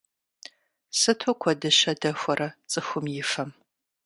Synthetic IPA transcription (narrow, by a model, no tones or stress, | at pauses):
sɨtʰokʷʰɔdɨɕɐdɐxʷɔrɐt͡sʼɨxʷʊmjɪfɐm